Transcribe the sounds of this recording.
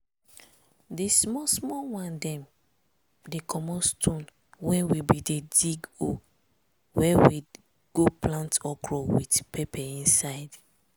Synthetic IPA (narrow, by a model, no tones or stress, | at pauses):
desmɔsmɔwãndɛ̃m | dekʰɔmɔstʰɔ̃n | wɛ̃wibidediɡo | wɛwi | ɡ̥oplãntɔkʰɹɔwitpʰɛpɛĩnsaɪd